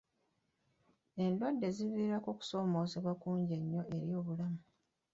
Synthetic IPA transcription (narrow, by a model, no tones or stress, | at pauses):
e̞ndwadːe̞ziβiɾakoku̥so̞ːmo̞ːzeβwakuːɲɟe̞ɲːo̞ʔe̞ɾjo̞ːβulamu